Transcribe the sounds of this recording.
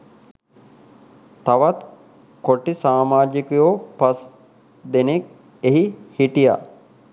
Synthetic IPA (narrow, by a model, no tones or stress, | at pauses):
t̪aʋat̪ | koʈisaːmaːd͡ʒikujoːpas | d̪enek̚ | eɦihiʈija̰